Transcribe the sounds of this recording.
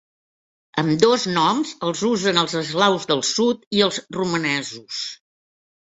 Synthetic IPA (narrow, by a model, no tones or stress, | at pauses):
əmd̪oznɔmzəlˠzuzənəlˠzəzlawzðəlˠsut̪iəlˠzrumənɛzus